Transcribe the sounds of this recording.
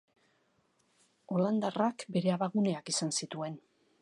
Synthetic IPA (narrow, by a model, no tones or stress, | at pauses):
o̞land̪arakbe̞ɾe̞aβaɣune̞akisansit̪ue̞n